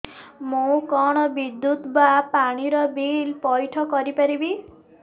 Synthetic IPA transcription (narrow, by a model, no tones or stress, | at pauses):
mũkɔɽ̃ɔbid̪ːut̪bapaɽ̃iɾɔbilpɔjʈʰɔkɔɾipaɾibi